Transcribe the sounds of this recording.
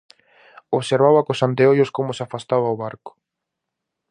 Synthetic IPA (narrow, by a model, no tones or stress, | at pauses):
oβseɾβawɐkosant̪eojoskomʊsafast̪aβawβaɾkʊ̥